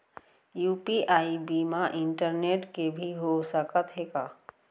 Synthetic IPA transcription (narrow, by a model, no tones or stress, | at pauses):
juːpiʔaːibimãʔɪ̃ɳʈəɾneːʈkebʱiɦosəkət̪ɦekaː